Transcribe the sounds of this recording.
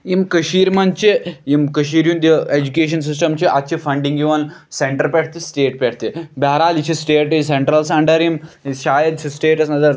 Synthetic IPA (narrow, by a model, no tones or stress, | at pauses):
imkɐʃiːɾmɐnt͡ʃeimkɐʃiːɾjund̪ied͡ʒukeːʃ̬ɐns̬isʈɐmt͡ʃiʔɐt̪̚t͡ʃʰifɐɳɖiŋɡiʋɐnseɳʈɐɾpeʈʰt̪isʈeːʈ̚pʲeʈ̚ʰt̪ibaːɾaːlit͡ʃʰisʈeːʈseɳʈɾɐlsɐɳɖɐɾimʃaːjɐd̪t͡ʃʰisʈeːʈɐsnɐzɐɾ